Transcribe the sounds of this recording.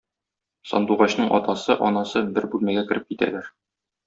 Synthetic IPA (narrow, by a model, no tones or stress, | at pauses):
sɒ̰nd̪uʁɑɕnɤɴʔɒ̰t̪ɑsɤʔɒnɑsɤbɘɾbʉlmæɡækɘ̆ɾɘp̚kit̪æ̰læɾ